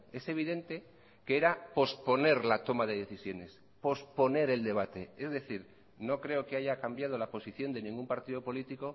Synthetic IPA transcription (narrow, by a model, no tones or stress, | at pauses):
e̞se̞β̞iðe̞nt̪e̞ | keeɾapo̞spo̞ne̞ɾlat̪o̞mað̞e̞ðe̞θisjo̞ne̞s | po̞spo̞ne̞ɾe̞ld̪e̞β̞at̪e̞e̞zðe̞θiɾ | no̞kɾe̞o̞keaʝakambjað̞o̞lapo̞siθjo̞nd̪e̞nĩŋɡumpaɾt̪iðo̞po̞lit̪iko̞